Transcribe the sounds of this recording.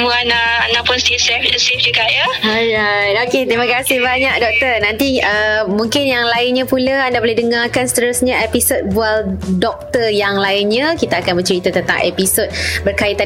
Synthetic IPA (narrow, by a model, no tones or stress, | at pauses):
muanaːnapʊnst̪isɛfsɛfd͡ʒəkaʔjaajaoket̪ɾimãkasɪhbaɲak̚dɔk̚t̪ərnant̪iəmuŋkɪnjaŋlaɪnɲãpulaandabolehdəŋarkanst̪əɾʊsɲaʔɛpisot̪̚bualdɔk̚t̪ərjaŋlaɪnɲãkit̪aːkanbət͡ʃɾit̪at̪ənt̪a̰ŋʔɛ̰pisot̪̚bərkaɪt̪a